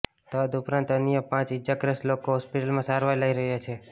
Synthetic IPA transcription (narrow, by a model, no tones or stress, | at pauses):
t̪ɔd̪upɾãnt̪ənjə̃pãt͡ʃid͡ʒakɾəslokoɦɔspiʈəlmãsaɾʋajlaiɾəɦjat͡ʃʰe